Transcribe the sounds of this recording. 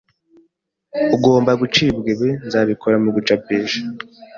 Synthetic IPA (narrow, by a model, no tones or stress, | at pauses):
uɡo̞ːmbaɡut͡ʃibɡeβenzaːβikʰoɾamuɡut͡ʃabeːʒa